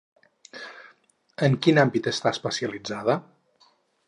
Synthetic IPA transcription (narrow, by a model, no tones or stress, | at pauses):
əŋkinambit̪əst̪aspəsiəlid͡zað̞ə